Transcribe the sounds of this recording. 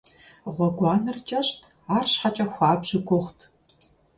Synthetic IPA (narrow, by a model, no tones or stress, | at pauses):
ʁʷɔɡʷɑːnɨrt͡ʃʼɐɕtʰ | aːrɕħat͡ʃʼɐxʷɑːbʑɪɡʷʰʼʊχʷtʰ